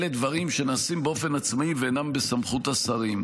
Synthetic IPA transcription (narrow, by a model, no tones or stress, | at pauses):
ledvɐʁimʃe̞naːsimbeo̞fe̞nat͡smaiveːnambesamχutasaʁim